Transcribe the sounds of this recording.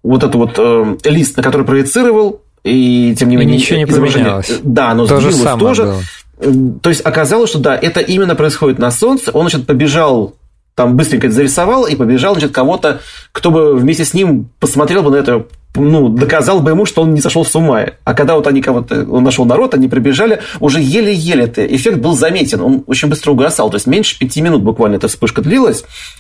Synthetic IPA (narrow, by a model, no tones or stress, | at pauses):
vo̞t̪ɛt̪ʊvo̞t̪əlʲist̪nəkɐt̪o̞ɾɨjpɾəjɪt̪sɨɾəvəlˠ | itʲemnʲɪmʲenʲɪɪzəbɾɐʐɛnɪəlˠd̪anozilˠlˠəsmt̪o̞ʐɨ | t̪o̞ɪsʲtʲɐkɐzɑlˠəsʲʂt̪o̞d̪aʔɛt̪əʔimʲɪnːəpɾəɪsxo̞dʲɪt̪nɐso̞nt̪səʔo̞nat͡ɕt̪̚pəbʲɪʐɑlˠ | t̪ambɨst̪ɾʲɪŋʲkəɛt̪əzəɾʲɪsɐvalˠipəbʲɪʐɑlˠnɐt͡ɕɪt̪kɐvo̞t̪əkt̪o̞bɨvmʲesʲtʲɪsʲnʲimpəsmɐt̪ɾʲelˠbɨnɐɛt̪ənud̪əkɐzɑlˠbəɪmuʂt̪oo̞nnʲɪzɐʂolˠfsʊmaɪ̰ɐ̰kɐɡ̚d̪ao̞t̪ɐnʲikɐvo̞t̪ə̰o̰nːɐʂo̞lˠnɐɾo̞t̪ɐnʲipɾəbʲɪʐalʲɪʊʐɛjelʲɪjelʲɪɛt̪ə̰ʔɪ̰fʲekt̪̚bɨlˠzɐmʲetʲɪno̞̰no̞t͡ɕɪnʲbɨst̪ɾəʊɡɐsɑlˠt̪o̞ɪsʲt̪ʲmʲenʲʂɨ̥pʲɪtʲimʲɪnut̪̚bʊkvalʲnəɛt̪əfspɨʂkəd̪lʲilˠəsʲ